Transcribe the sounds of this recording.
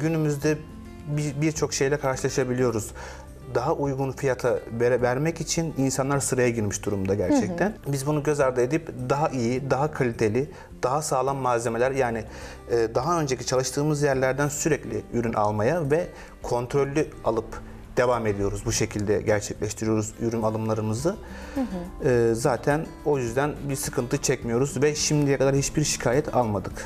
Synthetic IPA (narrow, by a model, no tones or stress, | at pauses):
ɟynymyzd̪ɛ | bibiɾt͡ʃʰo̞kʃe̞jlʲɛkʰaɾʃɯlˠaʃabilʲijo̞ɾuz | d̪aɦaʔujɡunfijat̪ʰaveɾvæɾmɛcit͡ʃʰininsanlˠaɾsɯɾajaɟiɾmiʃd̪uɾumd̪aɟæɾt͡ʃʰɛct̪ʰænbizbunuɟø̞zaɾd̪ɯe̞d̪ipd̪aɦaʔijid̪aɦakʰalʲit̪ʰe̞lʲɪ | d̪̥aɦasaːlˠanmazʲe̞melʲæɾjaːnɪː | d̪aɦaø̞nd͡ʒecʰit͡ʃʰalˠɯʃt̪ʰɯːmɯzjæɾlʲæɾd̪ænsyɾɛclʲɪ̰yɾynʔa̰lˠmajavɛ | kʰo̞nt̪ʰɾo̞lʲːyalˠɯp | d̪̥e̞vame̞d̪ijo̞ɾuzbuʃe̞cʰilʲd̪ɛ̰ɟæɾt͡ʃʰɛclʲɛʃt̪ʰiɾijo̞ɾuzyɾymalˠɯmlˠaɾɯmɯzɯ | ɯːzaːt̪ʰæn | o̞jyzd̪ænbiɾsɯkʰɯnt̪ʰɯt͡ʃʰɛcmijo̞ɾuzvɛʃimd̪ijɛkʰad̪aɾhit͡ʃbiɾʃi̥cʰaːjɛt̪ʰa̰lˠmad̪ɯk